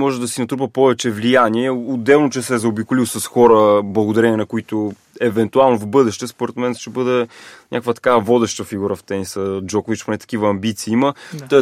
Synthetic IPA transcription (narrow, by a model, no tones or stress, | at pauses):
ɔʒɛd̪ɐsinɐt̪ɾupəpɔvɛt͡ʃɛvlijaniɛod̪ɛlˠnot͡ʃɛsɛzɐobikʊliwsɐsxɔɾəblˠɐɡod̪ɐɾɛnʲiɛnɐkʊit̪o | ɛvɛnt̪ualˠnovbɤd̪ɛʃt̪ɛspoɾɛt̪mɛnʃt̪ɛbɤd̪ɛɲʲakvət̪ɐ̥kavɔd̪ɛʃt̪əfiɡuɾəft̪ɛnisəd͡ʒɔkʊvit͡ʃponɛt̪ɐ̥kivəːmbit̪siːimə